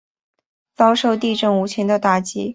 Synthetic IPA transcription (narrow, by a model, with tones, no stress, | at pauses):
t͡sɑ˥ʊʂo˥˧ʊt̪i˥˧ʈ͡ʂɤ˥˩ŋu˧˥t͡ɕʰi˧˥ŋd̪ə˧t̪a˥˩t͡ɕi˥